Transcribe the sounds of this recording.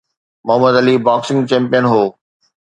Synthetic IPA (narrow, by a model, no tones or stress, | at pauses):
mʊɦəməd̪ɐlibaːksɪ̃ŋɡt͡ɕɛ̃ːmpijənɦoː